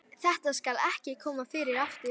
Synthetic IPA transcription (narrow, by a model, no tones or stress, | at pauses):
θɛht̪askalɛhcɪkʰɔːmafɪːɾɪɾaft̪ɪ